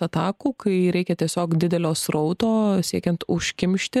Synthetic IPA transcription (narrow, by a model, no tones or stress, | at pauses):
ɐt̪ɑːkuːkɐɪɾʲɛɪkʲɛt̪ʲiɛsʲoːkd̪ʲɪd̪ʲɛlʲoːsɾɐʊt̪oːsʲiɛkʲɛnt̪ʊʃʲkʲɪmʲʃʲt̪ʲɪ